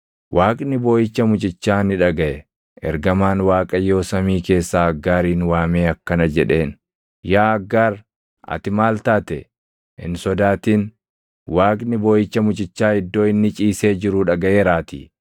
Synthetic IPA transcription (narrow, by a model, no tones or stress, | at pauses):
wʔaːkʼnɪbo̞ːjɪt͡ʃːɐmʊt͡ʃʼɪt͡ʃːaːnɪᶑɐɡɐʔɛ | ʔɛ̰ɾɡɐmaːnwaːkʼɐjo̞ːsɐmiːke̞ːsːaːɐɡːaːɾiːnwaːmeːɐkːɐnɐd͡ʒɛᶑe̞ːn | jaːɐɡːaːɾ | ɐ̰t̪ɪmaːlt̪aːt̪ɛ | ʔɪ̰nsɔd̪aːt̪iːn | waːkʼnɪbo̞ːjɪt͡ʃːɐmʊt͡ʃʼɪt͡ʃːaːɪd̪ːo̞ːɪnːɪt͡ʃʼiːse̞ːd͡ʒɪɾuːᶑɐɡɐʔeːɾaːt̪ḭː